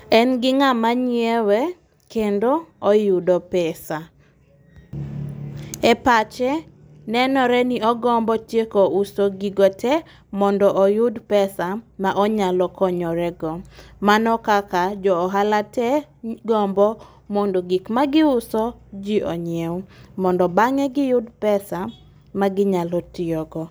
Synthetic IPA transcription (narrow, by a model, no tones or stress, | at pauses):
ɛnɡɪŋamaɲewɛ | kendoɔjʊdɔpɛsa | ɛpat͡ʃɛ | nɛnɔɾɛniɔɡɔmbɔtjekousɔɡiɡɔtʰɛ | mɔndɔʔɔjʊdpɛsamaʔɔɲalɔkɔɲɔɾɛɡɔmanɔkakad͡ʒɔːɦalatɛ | ɡɔmbɔ | mɔndɔɡikmaɡɪʊsɔd͡ʒiʔɔɲɪɛwmɔndɔbaŋɛɡɪjʊdpɛsa | maɡɪɲalɔtɪɔɡɔ